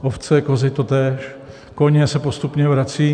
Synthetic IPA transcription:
ʔoft͡sɛkozɪt̪ot̪ɛːʃ | koɲɛsɛpost̪upɲɛvɾat͡siː

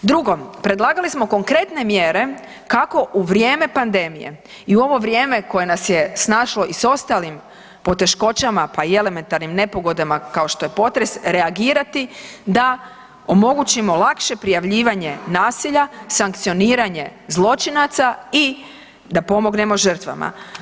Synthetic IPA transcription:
d̪ɾuɡo̞pɾe̞d̪lˠaːɡalismo̞ko̞ŋkɾe̞t̪ne̞mjeɾe̞ | kako̞ʔuʋɾjeːme̞pand̪e̞mḭjḛ | iuo̞ʋo̞ʋɾjeːme̞ko̞je̞nasjesnaːʃlo̞ʔiso̞st̪alim | po̞t̪e̞ʃko̞t͡ʃamapaie̞le̞me̞nt̪aɾnimne̞po̞ɡo̞d̪amakao̞ʃt̪o̞je̞po̞t̪ɾe̞sɾeaɡiːɾat̪id̪a | o̞mo̞ɡut͡ɕimo̞lˠakʃe̞pɾijaʋʎiːʋaɲe̞naːsiʎasaŋkt̪sio̞niːɾaɲe̞zlˠo̞t͡ʃinat̪sai | d̪apo̞mo̞ɡne̞mo̞ʒər̩t̪ʋa̰ma̰

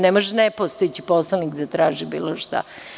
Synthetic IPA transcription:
nemoʒɛnepost̪ojet͡ɕiposlˠanikd̪at̪ɾaːʒibḭːloʃt̪a̰

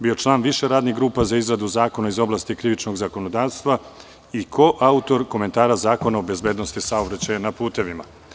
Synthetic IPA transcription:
bio̞t͡ʃlˠaːnʋiʃe̞ɾaːd̪niɣɡɾuːpazaizɾad̪uzaːko̞naizo̞blˠaːst̪ikɾiʋit͡ʃno̞ɡzako̞nod̪aːʋst̪ʋa | ikʰo̞ʔaut̪o̞ɾko̞me̞nt̪aːɾazaːko̞naobe̞zbeːd̪no̞st̪isaobɾat͡ɕajanapuːt̪e̞ʋima

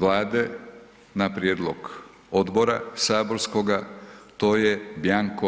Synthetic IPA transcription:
ʋlaːd̪e | napɾjeːd̪lˠoɡ | od̪bo̞ɾa̰saːbo̞ɾskoɡat̪oːjebjaŋko

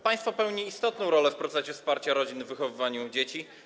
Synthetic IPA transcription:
pãj̃st̪fɔpɛwɲiːst̪ɔt̪nɔ̃w̃ɾɔlɛfpɾɔt̪sɛɕɛfspaɾt͡ɕaɾɔd͡ʑinvːɘxɔvɘvaɲud͡ʑet͡ɕi

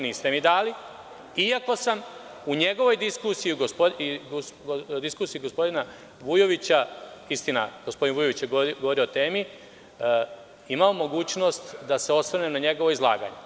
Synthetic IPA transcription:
niːst̪e̞mid̪aːli | iako̞sam | uɲe̞ɡo̞ʋo̞jd̪iskusijiuɡospoi | d̪iskuːsiiɡo̞spo̞d̪ina | ʋujo̞ʋit͡ɕaist̪ina̰ɡ̥ospo̞d̪inʋuːjo̞ʋit͡ɕjeɡɡoo̞ɾioot̪e̞ːmi | imaomo̞ɡuːt͡ɕno̞st̪d̪ase̞o̞sʋɾnemnaɲe̞ɡo̞ʋo̞izlˠa̰ːɡa̰ɲe

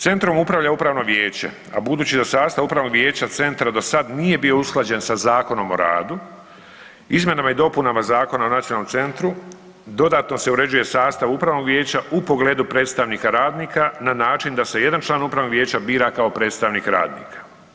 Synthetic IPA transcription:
t̪e̞nt̪ɾomupɾavʋʎaupɾaːʋno̞ʋjeːt͡ɕḛ | a̰bud̪uːt͡ɕid̪asaːst̪aʋupɾaːʋnoɡʋje̞ːt͡ɕat̪se̞nt̪ɾad̪o̞sad̪nije̞bio̞usklˠad͡ʑe̞nsazaːko̞no̞mo̞ɾa̰ːd̪u | izmje̞namaid̪o̞punamazaːko̞naonat̪ionalomtse̞nt̪ɾu | d̪o̞d̪aːt̪no̞se̞uɾe̞d͡ʑuje̞saːst̪aʋupɾaːʋno̞ɡʋje̞ːt͡ɕaupo̞ɡle̞ːd̪upɾe̞ːt̪st̪aʋniːkaɾaːd̪niːkananaːt͡ʃind̪ase̞je̞d̪ant͡ʃlˠaːnupɾaʋnoɡʋjeːt͡ɕabiːɾakao̞pɾet̪st̪aʋniːkɾa̰ːd̪nḭːkʰḁ

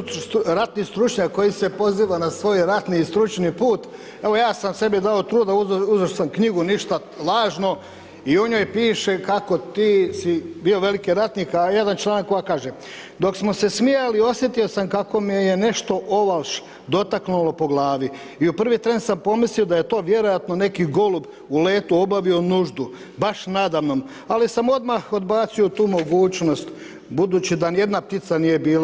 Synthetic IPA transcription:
ɾat̪nist̪ɾut͡ʃɲakːo̞jise̞po̞ziːʋanasʋo̞jɾat̪nist̪ɾut͡ʃnipuːt̪ | e̞ʋo̞jaːsamse̞bid̪aot̪ɾuːd̪auuzoʃsamkɲiɡuniʃt̪a | lˠaːʒno̞ | ioɲojpiːʃe̞kako̞t̪iːsibio̞ʋe̞likiɾat̪nikaje̞d̪ant͡ʃlˠaːnakːo̞ɡakaːʒe | d̪o̞ksmo̞se̞smialio̞sje̞t̪io̞samkako̞miejene̞ʃt̪o̞ʔoʋalʃ | d̪o̞t̪aknulˠo̞po̞ɡlaːʋi | iupr̩ʋit̪ɾe̞nd̪sampo̞mislio̞d̪ajet̪o̞ːʋje̞ɾo̞jat̪no̞ne̞kiɡo̞lub | ule̞ːt̪uo̞baʋio̞nuʒd̪u | baʃnad̪aʋno̞m | alisamo̞d̪maxod̪baːt̪sio̞t̪uːmo̞ɡuːt͡ʃno̞st̪ | bud̪uːt͡ɕid̪anje̞d̪nap̚t̪it̪sanije̞biːla

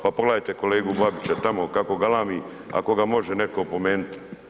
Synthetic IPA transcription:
papoɡlˠajt̪e̞ko̞le̞ːɡubabit͡ɕat̪amo̞kako̞ɡalaːmi | a̰ko̞ɡamo̞ʒeneko̞po̞meːnut̪i̥

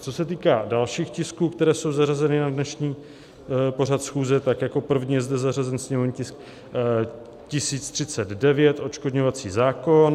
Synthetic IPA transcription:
t͡so̞sɛt̪iːkaːdalʃiːxcɪskuːkt̪ɛɾɛːso̞wzarazɛnɪnadnɛʃɲiː | po̞r̝at̪sxuːzɛt̪akjako̞pr̩vɲijɛzdɛzarazɛnsɲɛmovɲcɪsk̚ | cɪsiːt͡st̪r̥ɪt͡sɛd̪dɛvjɛt̪ʔo̞t͡ʃkodɲovat͡siːzaːko̞n

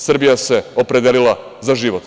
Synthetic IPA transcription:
sr̩bijase̞o̞pɾed̪elilˠa | zaʒiːʋo̞t̪

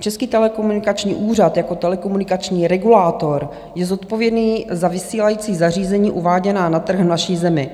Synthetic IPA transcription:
t͡ʃɛskiːt̪ɛlɛkomunɪkat͡ʃɲḭːʔuːrat̪jako̞t̪ɛlɛkomunɪkat͡ʃɲiːɾɛɡulaːt̪o̞ɾ | jɛzot̪povjɛdniːzavɪsiːlajiːt͡siːzar̝iːzɛɲiːʔuvaːɟɛnaːnat̪r̩ɣvnaʃiːzɛmɪ

